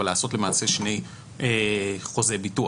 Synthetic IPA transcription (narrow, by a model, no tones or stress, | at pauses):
alaːso̞tle̞maːse̞ʃne̞j | eχo̞ze̞bitu